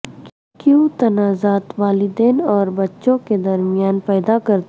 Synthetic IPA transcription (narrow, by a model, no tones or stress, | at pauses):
kjũt̪ɐnaːzaːt̪ʋaːlɪd̪eːnɔːɾbɐtːʃõked̪ɐɾmɪjaːnpɛːd̪akɐɾt̪